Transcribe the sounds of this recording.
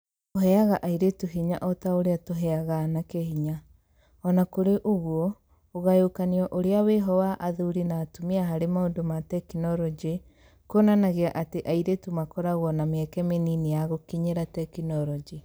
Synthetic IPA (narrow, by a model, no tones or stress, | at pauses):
oɦɛaɣaʔaiɾetuɦiɲa̰ʔɔtaoɾeatoɦɛaɣanakehiɲa | ɔnakoɾeʔoɣwɔ | oɣajokaniɔʔoɾeaweɦɔwaʔaðuɾinaːtomiaɦaɾemaondomatɛkinɔɾɔd͡ʒe | koːnanaɣeaʔateʔaiɾetumakɔɾaɣwɔnameɛkɛmeninijaɣokiɲeɾatɛkinɔɾɔd͡ʒi